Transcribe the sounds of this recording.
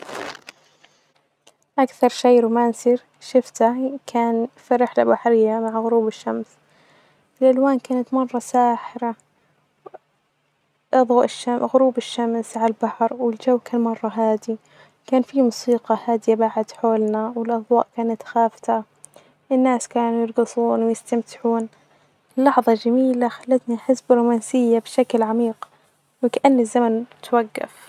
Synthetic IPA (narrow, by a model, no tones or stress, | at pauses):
ʔakθɑɾˤʃeːɾumaːnsiːɾ | ʃɪft̪akʰaːnfiɾɪħlabaħɾɪjːamaʕɣʊɾuːbɪʃːams | fɪlʔalwaːnkaːnat̪mɑrˤːɑsaːħɪɾa | ʔɑðˤɑːʔɪʃamɣʊɾuːbɪʃːamsʕalbaħɾˤwɪld͡ʒawːkaːnmɑrˤːɑɦaːd̪i | kaːnfimusiːqɑhaːd̪ɪjabaʕad̪ħoːlnawɪlʔɑðˤwɑ̰ːʔkaːnat̪xaːft̪a | ʔɪnːaːskaːnujɪɾˤɡɨsˤuːnwɪjɪst̪amt̪ɪ̥ħuːn | ɪlːɑħðˤɑd͡ʒamiːlaxalːat̪niħɪsbɾuːmaːnsɪjːabʃaklʕamiːq | wɪkaʔanːɪzːamant̪waɡːa̰f